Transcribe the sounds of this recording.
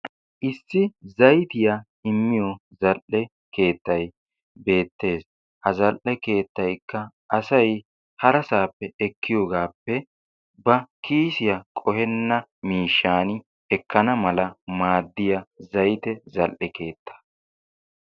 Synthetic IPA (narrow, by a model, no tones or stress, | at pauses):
ʔɪsːɪzɐjt̪ɪja | ɪmːɪjɔzɐlʔːɛ | ke̞ːt̪ːɐj | be̞ːt̪ːe̞ːs | hɐzɐlʔɛke̞ːt̪ːɐjkːɐ | ʔɐsɐj | hɐɾɐsaːpːɛɛkʰːɪjoːɡaːpːɛ | bɐkʰiːsɪjɐkʼɔhɛnːɐmiːʃːaːnɪ | ɛkʰːɐnɐmɐlɐmaːd̪ːɪjɐzɐjt̪ɛzɐlʔɛke̞ːt̪ʰːɐ̥